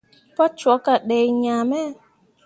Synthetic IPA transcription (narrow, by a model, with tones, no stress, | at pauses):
pa˦t͡ʃwɔ˨˦ka˨ɗɛ˨ɲa˨mɛ˦